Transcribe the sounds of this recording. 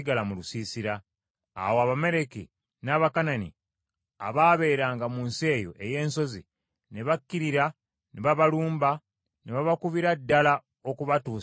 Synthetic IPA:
iɡalamulusiːsiɾa̰ː | woaβame̞ɾe̞kḭ | naːβakananḭ | a̰βaːβe̞ːɾaːŋɡamuːnsie̞ːjo̞̰ʔe̞je̞ːnso̞zḭ | neβakːiɾiɾa | neβaβaluːmba | neβaβakuβiɾadːala | okuβatuː

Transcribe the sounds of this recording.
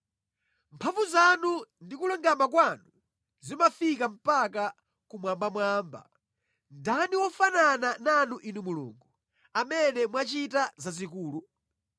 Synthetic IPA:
mpʰaɱvuzanundikulɔŋɡamakwanu | zimafikam̩paka | kumwambamwaːmba̰ | ndaniwɔfananananuʔinumulṵŋɡu | amɛnɛmwat͡ʃitazazikuːlu

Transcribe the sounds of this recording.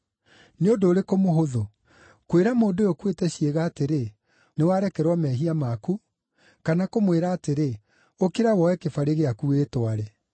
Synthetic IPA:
neondoːɾekomoɦoðo | kweɾamoːndojɔkwetɛɕieɣaːteɾe | newaɾɛkɛɾwɔmɛɦiamaku | kanakomweɾaːteɾe | okeɾawɔwɛkefaɾeɣeakueːtwaɾɛ

